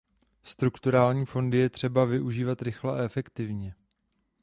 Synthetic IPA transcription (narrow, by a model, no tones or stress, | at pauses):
st̪ɾukt̪uɾaːlɲiːfo̞ndɪjɛt̪r̝̥ɛbavɪʔuʒiːvat̪ɾɪxlɛʔɛfɛkt̪ɪvɲɛ